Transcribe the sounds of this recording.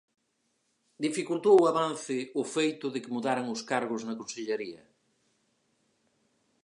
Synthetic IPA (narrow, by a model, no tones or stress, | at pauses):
d̪ifikult̪owaβan̟θɪʊfejt̪ʊðɪkɪmuðaɾaŋʊskaɾɣ̞ʊznɐkonseʎeɾiɐ̰